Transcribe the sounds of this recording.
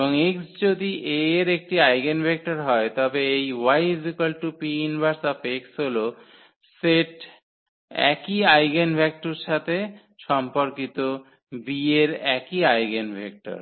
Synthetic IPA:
boŋeksd͡ʑod̪iʔeɾek̚ʈiajɡenbʱek̚ʈaɾɦɔet̪ɔbeejwajzikalʈupiinbaɾsapeksɦolo | seʈ | ɛ̰kiajɡenbʱɛk̚ʈoɾʃat̪ʰe | ʃɔmpoɾkit̪o | bieɾɛkiajɡenbʱek̚ʈa̰ɾ

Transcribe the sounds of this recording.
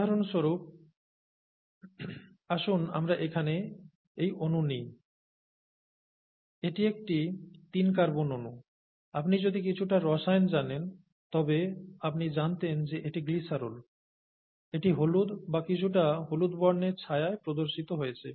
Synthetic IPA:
aɾonʃoɾup̚ | aʃuna̰mɾaʔekʰane | ejʔonunij | eʈiek̚ʈit̪inkaɾbononu | apnid͡ʑod̪ik̬it͡ɕʰuʈaɾɔʃajnd͡ʑanen | t̪ɔbeap̚nid͡ʑant̪end͡ʑeʔeʈiɡlisaɾol | eʈiɦolud̪bakit͡ɕʰuʈaɦolud̪bɔɾneɾt͡ɕʰajaepɾod̪oɾʃit̪oɦojet͡ɕʰe

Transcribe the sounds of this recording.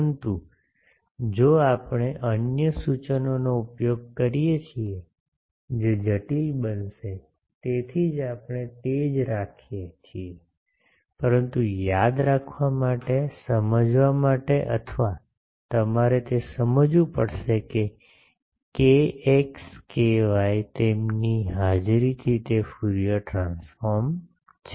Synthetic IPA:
nt̪u | d͡ʒoapɳeʔənjəsut͡ʃənonoupjoɡ̚kəɾijet͡ʃʰie | d͡ʒed͡ʒəʈilbənʃe | t̪et̪ʰid͡ʒapɳ̃et̪ed͡ʒɾakʰijet͡ʃʰie | pəɾənt̪ujad̪ɾakʰʋamaʈesəməd͡ʒʋamaʈeʔə̰t̪ʰʋa | t̪əmaɾet̪esəməd͡ʒũpəɽʃeke | keekskeʋajt̪emniɦad͡ʒɾit̪ʰit̪efuɾijəʈɾãnsfɔɾm | t͡ʃʰ

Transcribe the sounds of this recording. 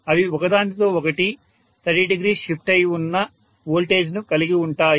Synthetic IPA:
ɐʋiɔkɐd̪aːnʈ̪it̪o̞ːɔkɐʈi | t̪ʰɐɖiɖiɡɾiːʂipʰʈɐjunːɐ | ʋoːlʈe̞ːd͡ʒnukɐliɡiuɳʈaːj

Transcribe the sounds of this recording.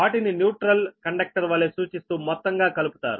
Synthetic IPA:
ʋaːʈininjuːʈɾɐlkɐɳɖek̚ʈɐɾʋɐlesuːt͡ʃist̪uːmɔt̪ːɐŋɡaːkɐlupu̥t̪a̰ːɾu

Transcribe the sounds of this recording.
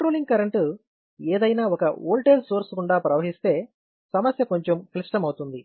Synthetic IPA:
ɐʈɾoːliŋɡ̚kɐɾɐɳʈ | eːd̪ɐjnaːɔkɐoːlʈelsoːɾskuɳɖaːpɾɐʋɐɦist̪e̞ː | sɐmɐsjɐko̞ɲt͡ʃemkliʂʈɐmɐwut̪und̪i

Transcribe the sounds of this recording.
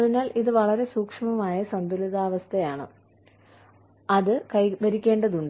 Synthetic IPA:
ðinaːliðɨʋɐɭɐɾe̞suːkʂɐmɐmaːjɐsɐnd̪ulɐðaːʋɐst̪ʰɐjaːɳɨ̰ | ɐðɨkɐjʋɐɾikʲːe̞ːɳɖɐðuɳɖɨ

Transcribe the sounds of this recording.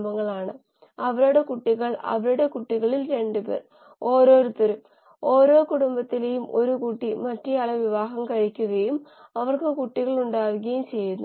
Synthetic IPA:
mɐŋːɐɭaːɳɨ | ɐʋɐɾuɽe̞kuʈːiɣɐɭɐ̰ʋɐɾuɽe̞kuʈːiɣɐɭilɾe̞ɳɖupe̞̰ːr | o̞ːɾo̞ːɾut̪ːɐɾum | o̞ːɾo̞ːkuɽumbɐt̪ːilejumʔo̞ɾukuʈːimɐtːɐjɐɭɐʋiʋaːɦɐmkɐɻikʲːuɣɐjum | ɐʋɐrkɨkuʈːiɣɐɭuɳɖaːʋuɣɐjumt͡ɕe̞junːu

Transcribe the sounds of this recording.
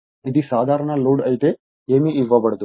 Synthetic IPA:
id̪isaːd̪ʱaːɾɐɳɐloːɖɐjt̪e | eːmiːʋːɐbɐɽd̪u

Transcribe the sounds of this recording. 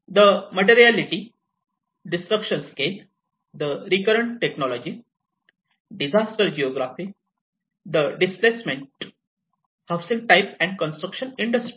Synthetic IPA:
d̪əməʈ̬eɾialiʈi | ɖisʈɾəkʃənskel | d̪əɾikəɾəɳʈːeknɔlɔd͡ʑi | ɖizasʈəɾd͡ʑioɡɾafi | d̪əɖisplesmẽɳʈ | haʋsĩŋ̚ʈajpɛ̃ɳɖ̚kə̃nsʈɾəkʃəniɳɖəsʈɾi

